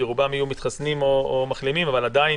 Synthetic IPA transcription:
iʁubamajumit̪χasnimoomaχlimimavalad̪ai

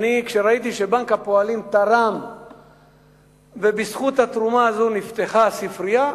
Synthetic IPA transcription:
nikʃeɾait̪iʃebaŋkapo̞alimt̪aʁam | vebisχut̪hat̪ʁumaːzonift̪eχasifɾija

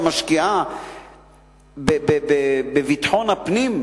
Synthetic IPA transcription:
maʃkiʔa | bebebebevitħonapnim

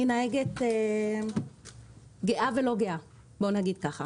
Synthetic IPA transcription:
inaeɡet̪e | ɡeʔave̞lo̞ɡeʔa | bo̞naɡid̪̚kaχa

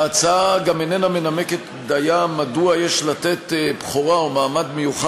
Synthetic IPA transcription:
at͡saaɡamenenamenameket̪ | d̪ajamaduajeʃlat̪et̪ebχoʁaomaːmad̪mejuχa

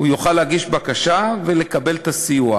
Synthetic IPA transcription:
hujoχaleaɡiʃbakaʃavele̞kabe̞lt̪asijua

